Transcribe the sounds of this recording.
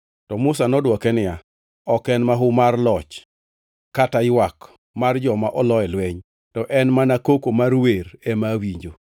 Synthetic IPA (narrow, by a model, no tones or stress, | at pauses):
tɔmʊsanɔdwɔkɛnɪja | ɔkɛnmaɦʊmarlɔt͡ʃ | kataɪwak | mard͡ʒɔmaʔɔlɔɛlwɛɲ | tɔʔɛnmanakokomarwerɛmawiɲd͡ʒo